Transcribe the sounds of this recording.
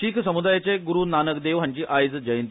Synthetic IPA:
iːkʰsəmud̪ajat͡seɡuɾuːnanəkd̪eʋɦaɲt͡ɕiːʔajd͡zd͡ʑəjənt̪

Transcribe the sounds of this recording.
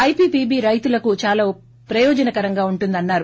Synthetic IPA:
ɐjpiːpiːbiːɾɐjt̪ulɐkut͡ʃaːlaː | pɾɐjɔːd͡ʒɐnɐkɐɾɐŋɡaːuɳʈund̪ɐnːaːɾu

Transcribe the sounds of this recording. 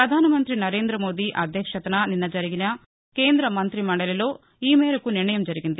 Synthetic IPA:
ɾɐd̪ʱaːnɐmɐnt̪ɾinɐɾeːnd̪ɾɐmo̞ːd̪iʔɐd̪ʱjɐkʂɐt̪ɐnɐninːɐd͡ʒɐɾiɡinɐ | ke̞ːnd̪ɾɐmɐnt̪ɾimaːɽɐleloː | iːmeːɾɐkuniɳɐjɐmd͡ʒɐɾiɡind̪i

